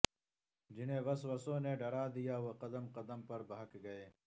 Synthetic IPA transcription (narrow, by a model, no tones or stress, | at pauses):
d͡ʒineːʋɐswɐsõːneːɖɐɾaːd̪ijaːwɐqɐd̪ɐmqɐd̪ɐmpɐɾbɐɦɐkɡɐjeː